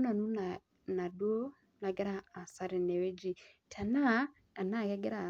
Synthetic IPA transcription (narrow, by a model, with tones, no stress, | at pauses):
na˨nu˦na˨ | na˨dwo˦ | na˨ɡɛ˦ɾa˦a˨sa˦ɾɛ˨nɛ˨we˦d͡ʒi˨ | tʰa˨na˦ | a˨na˦˨ɣɛ˦ɡɛ˦ɾa˨